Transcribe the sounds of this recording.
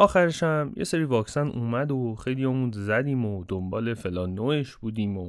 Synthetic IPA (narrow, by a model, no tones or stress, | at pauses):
ʔɒːxæɾeʃæmjʔḛse̞ɾiːvɒːksænuːmæd̪oxe̞jlijɒːmũnzæd̪iːmod̪ombɒːle̞felɒːnːoːeʃb̥uːd̪iːmo